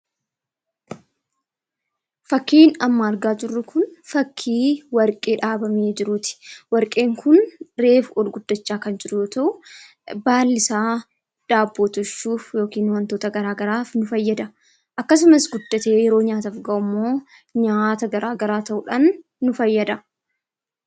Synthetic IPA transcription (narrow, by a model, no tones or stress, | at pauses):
fɐkːiːnɐmːaːɾɡaːd͡ʒɪrːʊkʊnfɐkʰːiːwɐɾkʼe̞ːᶑaːbɐmeːd͡ʒɪɾuːt̪ɪ̥wɐɾkʼe̞ːŋkʊnɾe̞ːfɔlɡʊd̪̥ːɐt͡ʃːaːkɐnd͡ʒɪɾʊjoːt̪ɐʔʊ | baːlːɪsaː | ᶑ̪̥aːbːoːt̪ɔʃːuːfjo̞ːkiːnwɐnt̪oːt̪ɐɡɐɾaːɡɐɾaːfnʊfɐjːɐd̪ɐ | ʔɐkːɐs̬ʊmɐsɡʊd̪ːɐt̪eːjɛɾo̞ːɲaːt̪ɐfɡɐʔʊmːoː | ɲaːt̪ɐɡɐɾʔaːɡɐɾaːt̪ɐʔʊᶑaːnː | ʊfɐjːɐd̪ɐ